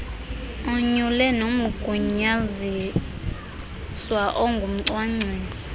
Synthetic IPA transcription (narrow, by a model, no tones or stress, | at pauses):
ɔɲulɛnomuɡ̥ʱuɲazi | swaʔɔŋɡʱum̩ǀwaŋ͡ǀʱeːzi